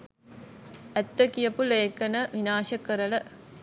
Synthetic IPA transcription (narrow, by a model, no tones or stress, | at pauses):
ɐt̪ːɐkijɐpuleːkːɐnɐʋinaːʃɐkːɐɾɐlɐ